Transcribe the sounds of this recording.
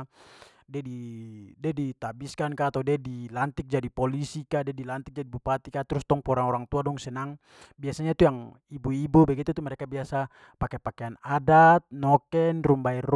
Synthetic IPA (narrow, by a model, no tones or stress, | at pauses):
diadidɛdit̪abiskankaːt̪awdɛdilant̪ik̚d͡ʒadipɔlisikadɛadilant̪ik̚d͡ʒadibupat̪ikat̪ɾust̪ɔŋpɔɾanɔɾaŋt̪uadɔŋsɛnaŋ | biasaɲat̪ujaŋ | ibuibubɛɡit̪ut̪umɛɾɛkabiasa | pakɛpakɛanadat̪̚nɔkɛnrumbaɛr